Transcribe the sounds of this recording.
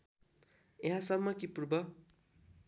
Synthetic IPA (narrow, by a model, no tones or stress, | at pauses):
jeɦãsʌmːʌkipurbʌ